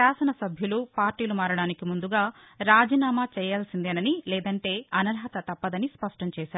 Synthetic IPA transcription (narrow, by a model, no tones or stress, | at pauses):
aːsɐnɐsɐbʱjulupaːɾʈiːlumaːɾɐɽaːnikimund̪uɡaː | ɾaːd͡ʒiːnaːmaːt͡ʃɛːjaːlsind̪ɛːnɐnilɛːd̪ɐɳʈe̞ːɐnɐɾɦɐt̪ɐt̪ɐpːɐd̪ɐnispɐʂʈɐmt͡ʃɛːʃaːɾu